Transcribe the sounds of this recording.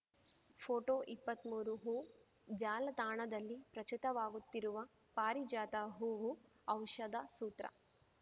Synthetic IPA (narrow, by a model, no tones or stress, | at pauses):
pʰoːʈoːʔipːɐt̪muːɾuɦuː | d͡ʒaːlɐt̪aːɳɐd̪ɐlːipɾɐt͡ʃut̪ɐʋaːɡut̪ːiɾuʋɐ | paːɾid͡ʒaːt̪aɦuːʋu | ɐwʃɐd̪ɐsuːt̪ɾɐ̰